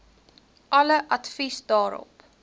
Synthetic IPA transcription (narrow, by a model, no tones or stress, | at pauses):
ʔɐləʔɐtfisdɑːɾɔ̰p